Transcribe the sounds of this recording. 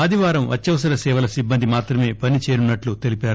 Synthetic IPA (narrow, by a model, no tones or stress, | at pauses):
aːd̪ʱiʋaːɾɐmʋɐ̰t͡ʃːɐʋɐsɐɾɐsɛːʋɐlɐsibːɐnd̪ʱimaːt̪ɾɐme̞ːpɐnit͡ʃeːɾunːɐʈlut̪e̞lipaːɾu